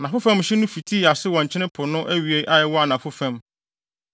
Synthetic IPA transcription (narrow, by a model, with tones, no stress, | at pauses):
nã˨fʊ˦fæ̃˦mɕɪ˦nʊ̃˦fi˨tʰi˦˨a˨sɪ˦wɔ̃˨ɲ˨t͡ɕʰɪ˦nɪ̃˦pʰʊ˨nʊ̃˦ʔæ˦ɥi˨e˦ʔa˦jɛ˦wɔ˦a˨nã˨fʊ˦fæ̃˦m